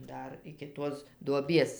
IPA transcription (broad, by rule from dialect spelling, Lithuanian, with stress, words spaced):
ˈdɐr ɪkʲɪ ˈtuɔs duɔˈbʲiɛs